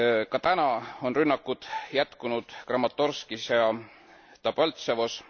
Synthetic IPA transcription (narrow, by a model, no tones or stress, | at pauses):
kɑt̪ænɑo̞nrynːɑkːud̪̥jæt̪kunud̪̥krɑmɑt̪ːˑorskisjɑ | t̪ɑpɑlt̪sevos